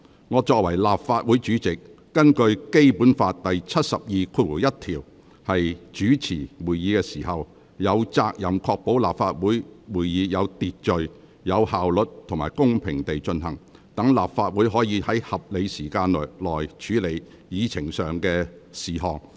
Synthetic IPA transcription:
ŋɔː˨˧t͡ʃɔː˧k̚wɐ˨˩jlaː˨pfaː˧t̚wu˨˥jt͡ʃyː˨˥t͡sɪ˨k̚ː | ɐ˥nkɵ˧ɥke˥jpuː˨˥nfaː˧t̚t̪ɐ˨jt͡sʰɐ˥t̚sɐ˨p̚jiː˨kʰu˧˥t̚wu˨˩jɐ˥t̚t̪ʰiː˨˩w | hɐ˨jt͡ʃyː˨˥t͡sʰiː˨˩wuː˨˩jjiː˨˧kɛː˧siː˨˩ɦɐ˨w | jɐ˨˧wt͡saː˧k̚jɐ˨˩mkʰɔː˧k̚po˨˥wlaː˨p̚faː˧t̚wuː˨˥jwuː˨˩jjiː˨˧jɐ˨˧wt̪iː˨t̚t͡ʃɵ˨ɥ | jɐ˨˧whaː˨wlɵ˨t̚t̪ʰŋmaː˨˩jkʊ˥ŋpʰɪ˨˩ŋt̪e˨jt͡ʃɵ˧nɦɐ̰˨˩ŋ | t̪ɐ˨˥ŋlaː˨p̚faː˧t̚wuː˨˥jɦɔː˨˥jiː˨˧hɐ˨˥jhɐ˨p̚le˨˧jsiː˨˩kaː˧n˨lɔː˨˩jt͡ʃʰyː˨˥le˨˧j | jiː˨˧t͡sʰɪ˨˩ŋsœː˨ŋkɛː˧siː˨˩ɦɔː˨ŋ

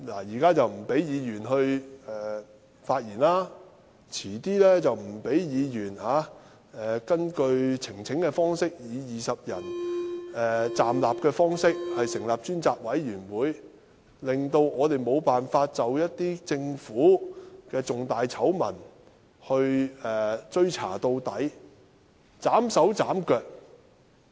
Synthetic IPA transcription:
la̰ː˨˩jiː˨˩kaː˥t͡sɐ˨wm̩˨˩pe˨˥jjiː˨˧jyː˨˩nɦɵ˧ɥɛː˨˧ | faː˧t̚jiː˨˩nlaː˥ | t͡sʰiː˨˩t̪iː˥lɛː˥t͡sɐ˨wm̩˨˩pe˨˥jjiː˨˧jyː˨˩nhaː˨˥ | ɛː˨kɐ˥nkɵ˧ɥt͡sʰɪ˨˩ŋt͡sʰɪ˨˥ŋkɛː˧fɔː˥ŋsɪ˥k̚jiː˨˧jiː˨˩sɐ˨p̚jɐ˨˩n | ɛː˨˧t͡saː˨mlaː˨p̚kɛː˧fɔː˥ŋsɪ˥k̚hɐ˨jsɪ˨˩ŋlaː˨p̚t͡ʃyː˥nt͡saː˧k̚wɐ˨˥jːyː˨˩nwuː˨˥j | lɪ˨ŋt̪o˧wŋɔː˨˧t̪e˨jmo˨˧wpaː˨nfaː˧t̚t͡sɐ˨wjɐ˥t̚t̪iː˥t͡sɪ˧ŋfuː˨˥kɛː˧t͡sʊ˨ŋt̪aː˨jt͡sʰɐ˨˥wmɐ̰˨˩n | hɵ˧ɥɛː˨t͡ʃɵ˥ɥt͡sʰa̰ː˨˩t̪o˧wt̪ɐ˨˥j | t͡saː˨˥msɐ˨˥wt͡saː˨˥mkœː˧k̚

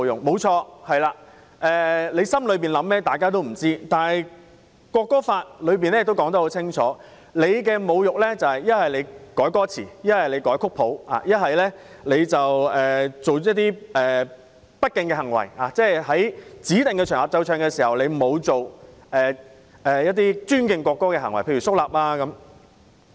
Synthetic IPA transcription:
jʊ˨˩ŋmo˨˧wt͡ʃʰɔː˧hɐ˨jlaː˧ | ʔɛː˨le˨˧jsɐ˥mlɵ˨˧ɥp̬iː˨nlɐ˨˥mmɛː˥t̪aː˨jkaː˥t̪̬o˥wm̩˨˩t͡siː˥t̪aː˨nhɐ˨j | kwɔː˧kːɔː˥faː˧t̚lɵ˨˧ɥp̬iː˨nlɛ˥˨t̪o˥kɔː˨˥ŋt̪ɐ˧˥ho˨˧wt͡sʰɪ˥ŋt͡ʃʰɔ̰ː˨˥ | le˨˧jkɛː˧mo˨˧wjʊ˨k̚lɛː˥t͡sɐ˨whɐ˨˩jjɐ˥t̚hɐ˨˩jle˨˧jkɔː˨˥jkɔː˥t͡sʰḭː˨˩jɐ˥t̚hɐ˨jle˨˧jkɔː˨˥jkʰʊ˥k̚pʰo˨˥wa̰ː˨jɐ˥t̚ɦɐ˨jlɛː˥ | le˨˧jt͡sɐ˨wɛː˨t͡so˨wjɐ˥t̪iː˥ɛː˨ | pɐ˥t̚kɪ˨˧ŋkɛ˧hɐ˨˩ŋwɐ̰˨˩jaː˨˩t͡sɛː˥˩ɦɐ˨˥jt͡siː˨˥t̪ɪ˨ŋkɛ˧t͡ʃʰœː˨˩ŋlaː˨p̚t͡sɐ˧wt͡ʃʰœː˧ŋkɛ˧siː˨˩hɐ˨˩wle˨˧jmo˨˧wt͡so˨wɛː˨ | ɛː˨jɐ˥t̪̚iː˥t͡ʃyː˥nkɪ˨˧ŋkʷɔː˧kːɔː˥kɛ˧ɦɐ˨˩ŋwɐ˨˩jpʰe˧jy˨˩sʊ˥k̚laː˨p̚laː˧kɐ˨˦m

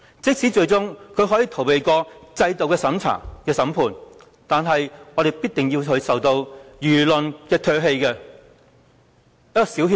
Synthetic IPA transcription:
t͡sɪ˥k̚si˨˥t͡ʃɵ˧ɥt͡sʊ˥ŋkʰɵ˨˧ɥɦɔː˨˥jiː˨˧t̪ʰo˨˩wpe˨˩jkɔː˧t͡sɐ˧jt̪o˨wkɛː˧sɐ˨˥mt͡sʰa̰ː˨˩ŋkɛː˧sɐ˨˥mpʰuː˨˩n | t̪aː˨nɦɐ˨jŋɔː˨˧ɾe˨jpiː˥t̚t̪ɪ˨ŋji˧wɦɵ˧ɥsɐ˨wt̪o˧wjyː˨˩lɵ˨nkɛː˧t̪ʰøː˧ɦe˧jkɛː˧ | jɐ˥kɔː˧si˨˥whi˥

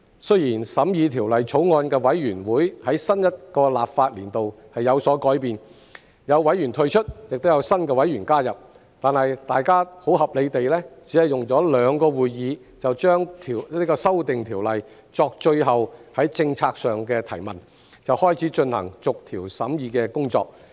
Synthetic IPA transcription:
sɵ˥jiː˨˩nsɐ˨˥mjiː˨˧t̪ʰiː˨˩wlɐ˨jt͡sʰo˨˥wŋɔː˧nkɛː˧wɐ˨˥jɥyː˨˩nwuː˨˥jhɐ˨˥jsɐ˥njɐ˥t̚kɔː˧laː˨p̚faː˧t̚liː˨˩nt̪o˨w | hɐ˨jjɐ˨˧wsɔː˨˥kɔː˨˥jpiː˨n | jɐ˨˧wːɐ˨˥jɥy˨˩nt̪ʰɵ˧ɥt͡ʃʰɵ˥t̚jɪ˨k̚t̪o˥wjɐ˨˧wsɐ˥nkɛː˧wɐ˨˥jɥyː˨˩nkaː˥jɐ˨p̚ | t̪aː˨nhɐ˨jt̪aː˨jkaː˥ho˨˥wɦɐ˨p̚le˨˧jt̪e˨jlɛː˥t͡si˨˥hɐ˨jʊ˨ŋt͡sɔː˨˥lœː˨˧ŋkɔː˧wuː˨jːiː˨˧ | t͡sɐ˨wt͡ʃœː˥ŋt̪ʰi˨˩iː˥kɔː˧sɐ˥wt̪ɪ˨ŋt̪ʰiː˨˩wlɐ˨˩j | t͡sɔː˧k̚t͡ʃɵ˧ɥɦɐ˨whɐ˨˥jt͡sɪ˧ŋt͡sʰaː˧k̚sœː˨ŋkɛː˧t̪ʰɐ˨˩jmɐ˨n | t͡sɐ˨whɔː˥jt͡sʰiː˨˥t͡ʃɵ˧nhɐ̰˨˩ŋt͡sʊ˨k̚t̪ʰiː˨˩wsɐ˨˥mjiː˨˧kɛ˧kʊ˥ŋt͡sɔ̰ː˧k̚

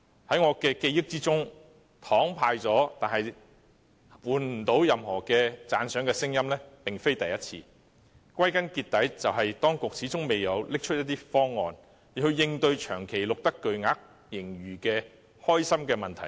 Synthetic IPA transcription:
hɐ˨˥jŋɔː˨˧kɛː˧ke˧jɪ˥k̚t͡siː˥t͡sʊ˥ŋ | t̪ʰɔː˨˥ŋpʰaː˧jt͡sɔː˨˥t̪aː˨nhɐ˨j | wuː˨nm̩ː˨˩t̪o˨˥wjɐ˨mhɔː˨˩kɛː˧t͡saː˨˧nsœː˨˥ŋkɛː˧sɪ˥ŋjɐ˥mlɛː˥pɪ˨ŋfe˥jt̪ɐ˨jɐ˥t̚t͡sʰḭː˧ | kwɐ˥jkɐ˥nkiː˧tt̪ːɐ˨˥jt͡sɐ˨wɦɐ˨jt̪ɔː˥ŋkʊ˨k̚t͡sʰiː˨˥t͡sʊ˥ŋme˨jɐ˨˧wlɪ˥k̚t͡ʃʰɵ˥t̚jɐ˥t̪̚ːiː˥fɔː˥ŋːɔ̰ː˨˧n˨˩ | hɵ˧jɪ˧ŋt̪ɵ˧ɥt͡ʃʰœː˨˩ŋkʰe˨˩jlʊ˨k̚t̪ɐ˥kːɵ˨ɥŋaː˨˥k̚ | jɪ˨˩ŋɥyː˨˩kɛː˧ | hɔː˥jsɐ˥mkɛː˧mɐ˨nt̪ʰɐ˨˩j

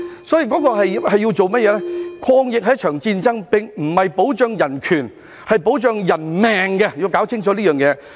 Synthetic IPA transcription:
sɔː˨˥jiː˨˧kɔː˨˥kɔː˧ɦɐ˨jhɐ˨jːiː˧wt͡so˨wmɐ˥jɛː˨˧˥lɛ˥kʷʰɔː˧ŋjɪ˨k̚ɦɐ˨˦j̚t͡ʃʰœː˨˩ŋt͡siː˧nt͡sɐ˥ŋpɪ˨ŋm̩˨˩hɐ˨jpo˨˥wt͡ʃœː˨˧ŋjɐ˨˩nkʰyː˨˩n | hɐ˨jpo˨˥wt͡ʃœː˧ŋjɐ˨˩nmɛː˨˩ŋɡɛ˧jiː˧wkaː˨˥wt͡sʰɪ˥ŋt͡sɔː˨˥liː˥jœː˨ŋjɛː˨˧˥

